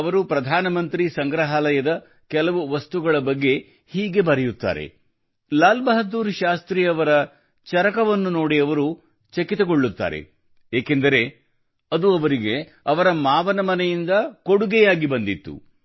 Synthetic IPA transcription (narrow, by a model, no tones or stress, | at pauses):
ɐʋɐɾupɾɐd̪ʱaːnɐmɐnt̪ɾisɐŋɡɾɐɦaːlɐjɐd̪ɐ | kɛlɐʋuʋɐst̪uɡɐɭɐbɐɡːe̞ | hiːɡe̞bɐɾɛjut̪ːa̰ːɾḛ | laːlbɐɦɐd̪uːɾʃaːst̪ɾijɐʋɐɾɐ | t͡ʃɐɾɐkɐʋɐnːuno̞ːɽiɐʋɐɾu | t͡ʃekit̪ɐɡo̞ɭːut̪ːa̰ːɾe̞̰ | eːkend̪ɐɾe̞ | ɐd̪uɐʋɐɾiɡe̞ | ɐʋɐɾɐmaːʋɐnɐmɐnejind̪ɐko̞ɽuɡɛjaːɡibɐnd̪it̪ːṵ